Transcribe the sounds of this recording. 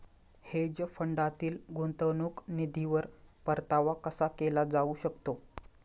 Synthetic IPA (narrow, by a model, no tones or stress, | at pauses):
hed͡ʑəfəɳɖat̪iːlɡont̪ənuknid̪ʱiʋəɾpəɾt̪aʋakəsakelad͡zauɕəkt̪o